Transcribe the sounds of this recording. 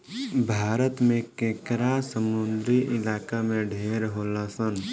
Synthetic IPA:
bʱaːɾət̪mẽkẽːkɾasəmʊnd̪ɾiʔɪlaːkamẽɖʱeːɾɦoːlasən

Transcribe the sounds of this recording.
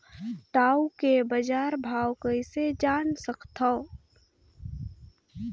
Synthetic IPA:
ʈaːukebəd͡ʒaːɾbʱaːwkəɪsed͡ʒaːnsəkt̪ʰa

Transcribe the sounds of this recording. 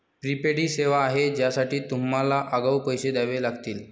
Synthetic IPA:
pɾipeɽiːseʋaːɦed͡ʑjasaʈiːt̪umːalaʔəɡəwpəjɕed̪aʋelaɡt̪iːl

